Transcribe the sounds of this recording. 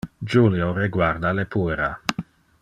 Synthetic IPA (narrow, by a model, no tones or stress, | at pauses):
d͡ʒuljoreɡward̪alepueɾa